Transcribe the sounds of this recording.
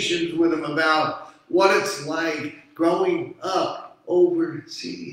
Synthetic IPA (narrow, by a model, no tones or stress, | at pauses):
ʃɨ̃nzwɪðɨ̃məbaʊt̚wʌɾɨtslaɪkɡ̥ɹoʊɪ̃ŋʌp̚oʊvə˞sḭ